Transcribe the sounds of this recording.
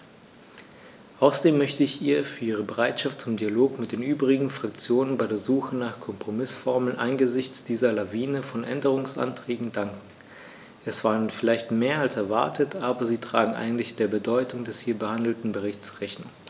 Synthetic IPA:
ʔaʊsɐdeːmːœçtəɪçʔiːɐfyːɐʔiːʁ̞əbəʁaɪtʃaftt͡sʊmdialoːkmɪt̚d̥eːnʔyːbʁɪɡŋ̩fʁ̥ak̚t͡sjoːnənbaɪdeːɐzuːxənaːχkʰɔmpʁ̥omɪsfɔɐml̩nʔa̰nɡəzɪçt͡sd̥iːzɐlaviːnəfɔnʔɛ̰ndəʁ̞ʊŋsʔa̰ntʁ̥ɛːɡŋ̩daŋkŋ̩ | ʔɛsv̥aːʁənfɪlaɪçtmeːɐalsɛɐva̰ɐtʰətʰʔaːbɐziːtʁ̥aːɡŋ̩ʔa̰ɪɡŋ̩tlɪçd̥eːɐbədɔʏtʊŋdɛshiːɐbəhandl̩tn̩bəʁɪçt͡sʁɛçnʊŋ

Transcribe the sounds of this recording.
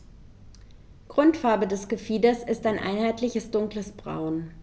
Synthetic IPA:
ɡ̥ʁʊntfaɐbədɛsɡ̥əfiːdɐsɪstaɪnʔa̰ɪnhaɪtʰlɪçəsd̥ʊŋkləsb̥ʁa̰ʊn

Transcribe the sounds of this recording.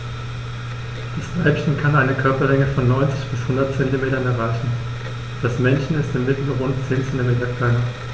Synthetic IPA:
d̥asb̥ʁaɪpçənkʰanaɪnəkʰœɐpɐlɛŋəfɔnːɔʏnt͡sɪ̥çb̥ɪshʊndɐt̚t͡sɛntimeːtɐnɛɐʁaɪçn̩ | d̥asmɛnçn̩ɪstɪmːɪtl̩əʁʊntt͡seːnt͡sɛntimeːtɐkʰl̥aɪnɐ

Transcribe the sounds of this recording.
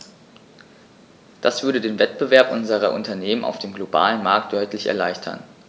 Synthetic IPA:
d̥asv̥ʏɐɾədeːnvɛt̚b̥əvɛɐpʔʊnzəʁ̞ɐʔʊntɐneːmənʔa̰ʊfd̥eːmɡloba̰ːlənmaɐk̚t̚d̥ɔʏtlɪçɛ̰ɐlaɪçtʰɐ̰n

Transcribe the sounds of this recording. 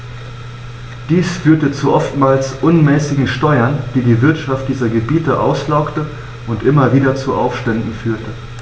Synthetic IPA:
d̥iːsfyːɐtət͡suʔɔftmaːlsʔʊnmɛːsɪɡŋ̩ʃtɔʏɐnd̥iːdiːvɪɐtʃaft̚d̥iːzɐɡəbiːtəʔa̰ʊslaʊktə | ʔʊntʔɪmɐviːdɐt͡suʔa̰ʊfʃtɛndn̩fyːɐtə

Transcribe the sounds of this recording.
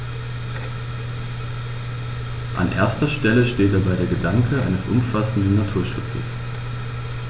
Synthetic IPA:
ʔa̰nʔḛːɐstɐʃtɛləʃteːt̚d̥abaɪdeːɐɡədaŋkʰəʔa̰ɪnəsʔʊ̰mfasn̩dn̩nːatʰuːɐʃʊt͡sə̰s

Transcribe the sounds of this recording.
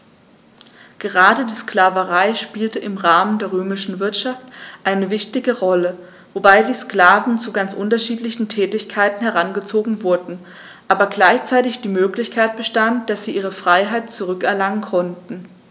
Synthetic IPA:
ɡ̥əʁaːdədiːsklaːvəʁaɪʃpiːltəɪmʁaːməndeːɐʁøːmɪʃn̩vɪɐtʃaftʔaɪnəvɪçtɪɡəʁɔlə | vobaɪdiːsklaːvn̩t͡suɡant͡sʔʊntɐʃiːtlɪçn̩tʰɛːtɪçkʰaɪtn̩hɛʁ̞anɡət͡soːɡŋ̩vʊɐdn̩ | ʔaːbɐɡlaɪçt͡saɪtɪçd̥iːmøːklɪçkʰaɪt̚b̥əʃtantd̥asz̥iːʔiːʁ̞əfʁ̥aɪɦaɪt̚t͡suʁʏkɛɐlaŋənkʰɔntn̩

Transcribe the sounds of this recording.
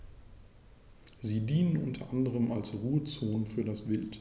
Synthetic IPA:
ziːdiːnənʔʊntʰɐ̰ʔandəʁəmʔalsʁuːət͡soːnfyːɐdasvɪlt

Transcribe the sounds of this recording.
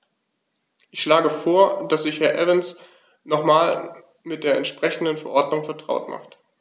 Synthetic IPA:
ʔɪçʃlaːɡəfoːɐd̥asz̥ɪçhɛɐʔɛvəns | nɔχmaːl | mɪt̚d̥eːɐɛntʃpʁ̥ɛçn̩dənfɛɐʔɔɐdnʊŋfɛɐtʁ̥a̰ʊtmʔa̰χt

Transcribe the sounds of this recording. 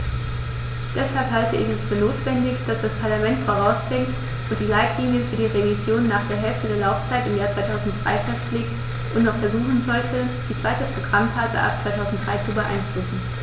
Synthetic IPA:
d̥ɛshalphaltəʔɪçɛsfyːɐnoːtv̥ɛndɪçd̥asd̥aspʰaɐlamɛntfoʁ̞aʊsb̥ʁɪŋt | ʔʊnt̚d̥iːlaɪtʰliːnjəfyːɐdiːʁevizjoːnːaːχd̥eːɐɦɛlftədeːɐlaʊft͡saɪtɪmjaːɐt͡sv̥aɪtʰaʊzn̩t̚d̥ʁa̰ɪfɛstleːkt | ʔʊntnɔχfɛɐzuːχn̩zɔltʰə | d̥iːt͡sv̥aɪtəpʁ̥oɡʁamfaːzə̰ʔa̰p̚t͡sv̥aɪtʰaʊzn̩td̥ʁaɪt͡subəʔa̰ɪnflʊsn̩

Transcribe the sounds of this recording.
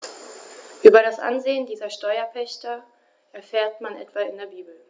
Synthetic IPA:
ʔyːbɐɾasʔa̰nzeːəndiːzɐʃtɔʏɐpʰɛçtɐ | ʔɛɐfeːɐtmanʔɛ̰tv̥aɪndeːɐbiːbl̩

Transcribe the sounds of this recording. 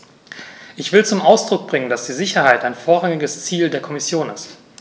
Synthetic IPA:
ʔɪçv̥ɪlt͡sʊmʔaʊsd̥ʁ̥ʊk̚b̥ʁɪŋənd̥asd̥iːzɪçɐhaɪtaɪnfoːɐʁaŋɪɡəst͡siːldeːɐkʰɔmɪsjoːnɪst

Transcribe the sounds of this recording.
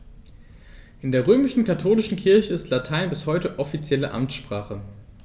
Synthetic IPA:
ʔɪndeːɐʁ̞øːmɪʃn̩kʰatʰoːlɪʃn̩kʰɪɐçəɪstlatʰaɪnbɪshɔʏtəʔɔfit͡sjɛləʔa̰mtʃpʁ̥aːχə

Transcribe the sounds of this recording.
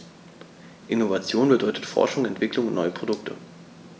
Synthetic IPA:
ʔɪnovat͡sjoːnbədɔʏtə̥tfɔ̰ɐʃʊŋɛntv̥ɪklʊŋʊnnʔɔʏəpʁ̥odʊk̚tʰə̰

